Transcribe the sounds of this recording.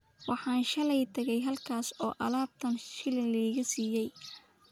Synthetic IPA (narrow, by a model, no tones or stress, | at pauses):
wɑħɑːnʃɐlɛjt̪ʰɐɣɛjɦɐlkʰaːsɔːʔɐ̰laːb̚t̪ʰɐnʃɪlɪnlɐiːɣɐsiːjɛj